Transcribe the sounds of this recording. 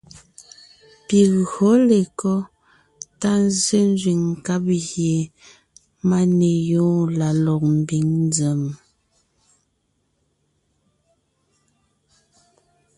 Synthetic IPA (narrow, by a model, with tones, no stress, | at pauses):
pi˨hɔ˨˦le˨kɔ˦ | ta˦n˦ze˦n˦zɥi˨ŋ˨ka˦p̚ɣje˨ | ma˦ne˨jɔ̃ː˦la˨lɔ˨k̚m̩˨bi˨˦ŋn˦d͡zə˨m